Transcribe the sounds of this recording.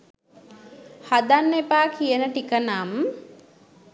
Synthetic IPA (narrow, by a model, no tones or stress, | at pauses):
had̪anːepaːkʰijənəʈikənam